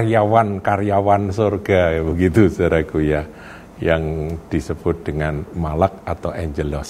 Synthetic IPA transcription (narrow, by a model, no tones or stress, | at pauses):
rjawankarjawansorɡ̥abəɡit̪usaɾakuja | jaŋd̥isəb̥ʊt̪̚d̥əŋanmalak̚at̪awʔɛɲd͡ʒəlɔs